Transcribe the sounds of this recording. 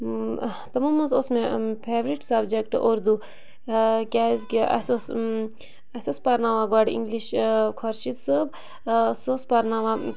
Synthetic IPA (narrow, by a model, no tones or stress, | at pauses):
t̪ɐmumɐzosmẽpʰeːʋɾiʈsɐbd͡ʒekʈoɾd̪u | kʲaːzkʲeʔɐ̰sos | ɐsospɐɾnaʋaɡaɖḭŋɡliʃkʰɐɾʃit̪sɨb | sospɐɾnaːʋa